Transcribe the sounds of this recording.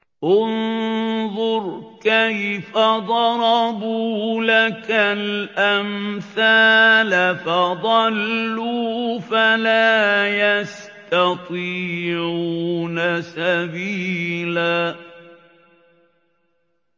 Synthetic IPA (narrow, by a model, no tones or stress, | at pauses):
ʔʊnðˤʊɾkajfad̪ˤɑɾˤɑbuːlakalʔamθaːlafad̪ˤɑlːuːfalaːjast̪ɑt̪ˤiːʕuːnasabiːlaː